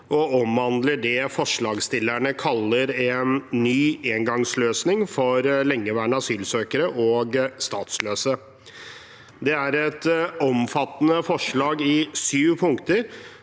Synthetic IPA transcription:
ʔɔɔmɑnd̪ləɖɛfɔʂɭɑːɡst̪ɪlːæɳəkʰɑlːəɾɛnːyːeːŋɡɑŋsløːsnɪŋfɔɾlɛŋːəʋæːɳəɑsyːlsøːkəɾəʔɔːɡst̪ɑːt̪sløːsə | d̪ɛæɾɛt̪ɔmfɑt̪ːənəfɔʂɭɑːɡɪsyːʋpʰʊŋkt̪əɾ

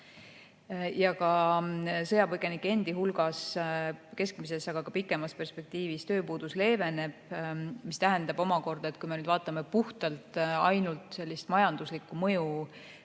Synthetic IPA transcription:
jɑkɑ | sɤ̞jɑpɤke̞nikːe̞nd̪̥iɦulɡ̥ɑs | ke̞skmise̞sɑɡ̥ɑkɑpikːˑe̞mɑspe̞rspe̞k̚t̪iːvist̪ø̞ːpuːd̪̥usle̞ːve̞ne̞b̥mist̪æɦe̞nd̪ɑb̥o̞mɑko̞rd̪̥ɑe̞t̪̚kujmenyd̪vɑːt̪ːˑɑme̞puht̪ɑlt̪ˑɑ̰jnult̪ˑse̞lʲːist̪mɑjɑnd̪uslikːˑumɤ̞ju

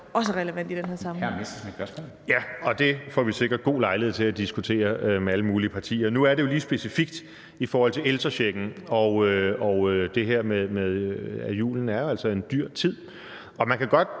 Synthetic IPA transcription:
ɒ̽s̬əʁɛləʋæn̰d̥id̥enheɐsɑ̈mæmesd̥əsme̥b̥ɶɐsmɔ̰ːljæɒ̽d̥e̝fɒ̰ʋise̝ɡ̥ɐd̥̚ɡ̥o̝̰ːlɑ̈ɪləheð̰ˠt͡sʰe̝læd̥isɡ̥ut͡sʰe̝̰ːɐømeæləmuːliəpʰɑ̈t͡sʰḭːɐnuæɐɾe̝jo̝liːsb̥e̝sifiɡ̥̚d̥ | ifɒːhɒ̽l̰t͡sʰe̝lelsʁɐɕeɡ̥n̩ɒ̽ʊøɒʊød̥e̝ɦeɐ̰meðˠmeðˠæjṵːln̩æɐjoælsɒ̽e̝nd̥yɐ̰t͡sʰið̰ˠ | ɒ̽mænkʰæɡ̥ɒ̽d̥̚

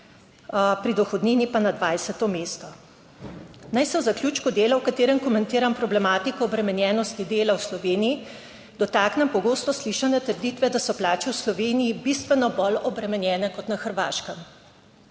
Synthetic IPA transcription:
pɾid̪ɔxɔd̪niːnipanad̪ʋaːjsɛt̪ɔmeːst̪ɔ | najsɛwzakljuːt͡ʃkud̪eːlawkat̪eːɾɛmkɔmɛnt̪iːɾampɾɔblɛmaːt̪ikɔːbɾɛmɛnjɛːnɔst̪id̪eːlawslɔʋeːniji | d̪̥ɔt̪aːknɛmpɔɡoːst̪ɔsliːʃanɛt̪əɾd̪it̪ʋɛd̪asɔplaːt͡ʃɛwslɔʋeːnijibist̪ʋɛnɔbɔlɔbɾɛmɛnjɛːnɛkɔt̪naxəɾʋa̰ːʃkəm

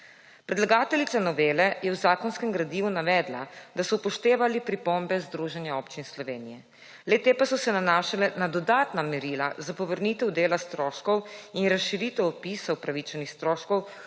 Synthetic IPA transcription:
pɾɛd̪laɡaːt̪ɛlit̪sanɔʋeːlɛjɛwzaːkɔnskɛmɡɾad̪iːʋunaʋɛːd̪la̰d̪asɔpɔʃt̪eːʋalipɾipombɛzd̪ɾuʒɛnjaoːpt͡ʃinslɔʋeːnijɛ | lɛt̪eːpasɔsɛnanaʃalɛnad̪ɔd̪aːt̪namɛɾila̰zapɔʋəɾnit̪ɛwd̪eːlast̪ɾɔːʃkɔwinɾasʃiɾit̪ɛwɔpisɔwpɾaʋit͡ʃɛnixst̪ɾoːʃkɔw

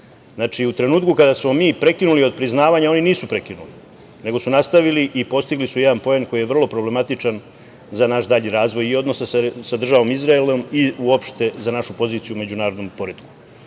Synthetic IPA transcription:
znaːt͡ʃiut̪ɾe̞nuːt̪kukad̪asmo̞miːpɾe̞kinulio̞d̪̚pɾiznaːʋaɲao̞niniːsupɾe̞kinuli | ne̞ɡo̞sunast̪aʋiliʔipo̞st̪iɡlisujed̪anpo̞enko̞jijeʋr̩lˠo̞pɾoble̞mat̪it͡ʂan | zanaʃd̪aʎiɾaːzʋo̞jio̞d̪no̞sassad̪r̩ʒaʋo̞mizɾaelomiuopʃt̪e̞zanaʃupo̞ziːt̪sijume̞d͡ʑunaːɾo̞d̪nompo̞ɾed̪ku̥

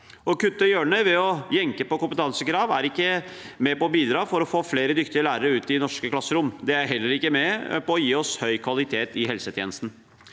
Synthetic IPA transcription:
ɔkʉt̪ːəjøːɳœʏʋɛɔjɛŋkəpɔkʊmpət̪ʰɑnsəkɾɑːʋæɾɪkːə | mɛpɔɔbiːd̪ɾɑːfɔɾɔfoːfleːɾəd̪ʏkt̪ɪəlæːɾəɾəʉːt̪ɪnɔʂkəklɑsːəɾʊmd̪ɛæɾɦɛlːəɾɪkːəmɛpɔɔjiːɔshœʏkʰʋɑlɪt̪ʰeːt̪ɪɦɛlsət̪ʰjḛːnəst̪n̩

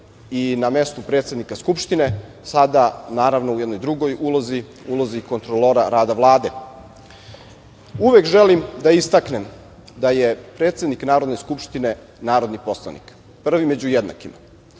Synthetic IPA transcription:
iname̞st̪upɾet̪sʲed̪nikaskupʃt̪ine | sad̪anaːɾaʋno̞ujed̪nojd̪ɾuɡo̞julˠozi | uloziko̞nt̪ɾoloɾaɾaːd̪aʋlˠaːd̪e̞ | uʋe̞kʒelimd̪aist̪akne̞m | d̪ajepɾe̞ːt̪sʲe̞d̪niknaːɾod̪ne̞skupʃt̪ine̞ | naːɾo̞d̪nipo̞slˠa̰nḭk | pr̩ʋime̞d͡ʑujed̪na̰kima

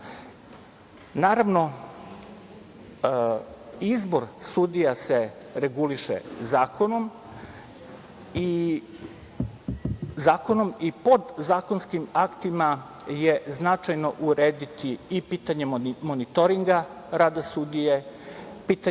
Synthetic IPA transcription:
naːɾaʋno̞ | izbo̞ɾsud̪ijaseɾeɡuliʃḛzaːkʰo̞no̞m | i | zaːko̞no̞mipo̞d̪zaːkonskimakt̪ima | jeznat͡ʃajno̞ʔuɾeːd̪it̪iːpiːt̪aɲemonit̪oɾiŋɡa | ɾaːd̪asud̪ije | piːt̪a

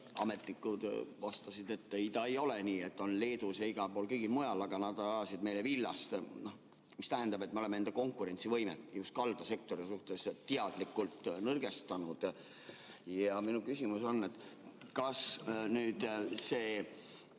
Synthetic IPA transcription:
ɑ̰me̞t̪ːˑikːud̪̥vɑst̪ɑsid̪e̞t̪ːeid̪ɑejo̞leniːe̞t̪ːo̞nle̞ːd̪usɑiɡ̥ɑpo̞ːlkɤjɡ̥ilmojɑlɑɡ̥ɑnɑd̪ɑɑlɑsid̪̥̚mejle̞vilːɑ̰st̪no | mist̪æɦend̪ɑbe̞t̪̚ːmeolemenend̪eko̞ŋkuɾe̞nʲt̪sivɤjmḛt̪ːjust̪̚kɑld̪ɑse̞k̚t̪o̞ɾisuht̪e̞sːiɑd̪̥likːult̪ːnɤrɡ̥e̞st̪ɑnud̪̥ | jɑminukysimuso̞nːe̞t̪ːˑ | kɑsnyːd̪̥seː

